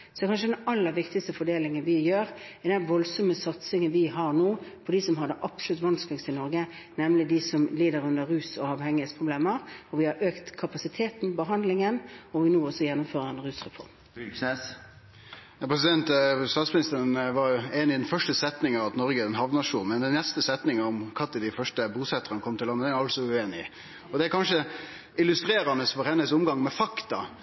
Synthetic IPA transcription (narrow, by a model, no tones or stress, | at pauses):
sɔɛkʰɑnʂəd̪ɛnɑlːəɾʋɪkt̪ɪst̪əfɔɖeːlɪŋənʋɪjøːɾɛd̪ɛnʋɔlsɔməsɑt̪sɪŋənʋɪɦɑɾnoːpʰɔd̪isɔmɦɑd̪ːəʔɑpslʉt̪ʋɑnsklɪst̪ɪnɔɾɡə | nɛmlɪd̪ɪsɔmliːd̪əɾʉnd̪əɾʁʉːsɔɑʋhɛŋːɪhɛːt̪spʰʁʊbleːməɾɔʋɪhɑɾʔøːkt̪kʰɑpɑsɪt̪ʰeːt̪n̩bəɦɑnd̪lɪŋənɔʋɪnoːɔsɔjɛnːʊmføːɾəɾɛnɾʉːsʁɛfɔ̰ɾm | jɑpʰɾɛs̬ɪd̪ɛnt̪st̪ɑːt̪smɪnɪst̪əɾənʋɑɾjʊeːnɪd̪ɛnfœʂʈəsɛt̪nɪŋəɑʋɑt̪nɔɾɡəɛd̪ɛnɦɑʋnɑʂuːnmɛnd̪ɛnnɛst̪əsɛt̪nɪŋəɔmkʰɑt̪ːəd̪ɪfœʂʈəbuːsɛt̪ːəʁənəkʰɔmt̪ɪlːɑnːəd̪ɛæɾɑlsɔʉeːnɪ | ɔd̪ɛæɾkʰɑnʂə | ɪlʉst̪ɾeːɾɑnəsfɔɾhɛnːəsʊmɡɑŋmɛfɑkt̪ɑ